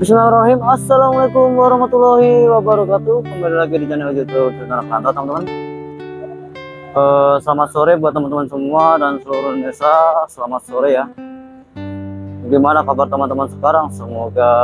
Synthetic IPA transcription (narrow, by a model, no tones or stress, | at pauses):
bisnamɾaɦimasːalamalajkumwaɾɔhmat̪ulahiwabaɾɔkat̪ukəmaɾalaɡidid͡ʒanilad͡ʒut̪udənt̪aɾakant̪at̪əmant̪əman | əsəlamat̪soɾebuat̪ːəmant̪əmansəmuadansəluɾʊhdesasəlamat̪̚soɾeja | bɡimanakabart̪əmant̪əmansə̥kaɾaŋsəmoɡa